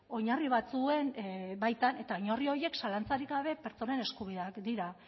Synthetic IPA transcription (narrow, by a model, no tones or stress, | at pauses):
o̞ɲariβ̞at͡sue̞nbajt̪ane̞t̪aoɲorio̞ɾje̞ksalant͡saɾikɡaβ̞e̞pe̞ɾt͡so̞ne̞ne̞skuβ̞iðeakd̪iɾa